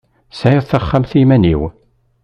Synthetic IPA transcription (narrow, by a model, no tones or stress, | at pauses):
saəðˤθəχːamθimænḭw